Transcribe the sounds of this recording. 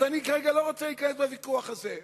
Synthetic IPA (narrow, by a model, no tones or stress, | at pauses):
anikaʁeɡaloʁot͡salikanesbavikuaχaze